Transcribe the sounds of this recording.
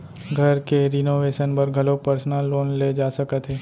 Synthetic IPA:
ɡʱɐɾkeɾɪnoːʋeːʃənpɐɾɡʱɐlopəɾsnalːoːnled͡ʒaːsəkət̪ɦeː

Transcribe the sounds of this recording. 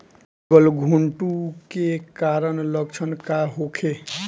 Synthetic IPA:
ʌlɡʱuɳʈukekaɾʌnlʌɡt͡ʃʰʌnkaɦokʰe

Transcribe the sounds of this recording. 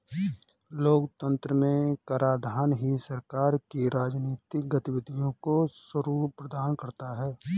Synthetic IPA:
loːkt̪ə̃nt̪ɾəmẽkaːɾaːd̪ʱaːnɦisəɾkaːɾkiɾaːd͡ʒniːt̪ɪkɡət̪ɪʋɪd̪ʱijõkoswəɾuːpɾəd̪aːnkɐɾt̪aɦɛː

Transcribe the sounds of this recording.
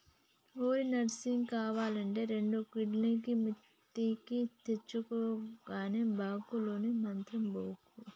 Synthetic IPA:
oːɾinɐɾsiŋkaːʋaːlɐɳʈeːɾeɳɖukiɖnikimu | t̪ːikit̪et͡ʃːukoːɡaːneːbaːkuloːnemɐnt̪ɾimboːku

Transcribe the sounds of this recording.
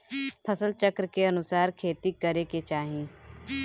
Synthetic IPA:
pʰɐsəlt͡ʃəkɾkeɐnʊsaːɾkʰeːt̪ikəɾeket͡ʃaːɦĩː

